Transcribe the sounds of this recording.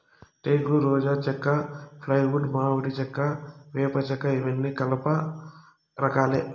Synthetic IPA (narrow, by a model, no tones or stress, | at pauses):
ʈeːɡluɾɔːd͡ʒaːt͡ʃɛkːɐpʰlɐjʋuɖmaːʋɐʈit͡ʃɛkːɐʋɛːpɐt͡ʃɛkːɐiʋɐnːikɐlɐpɐ | ɾɐkaːle